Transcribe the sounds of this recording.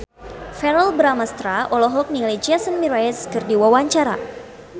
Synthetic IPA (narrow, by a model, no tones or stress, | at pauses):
fɛɾəlbɾamast̪ɾaʔɔlɔɦɔlk̚niled͡ʒiasənmiɾaɛskɨrdiwawaɲt͡ʃaɾa̰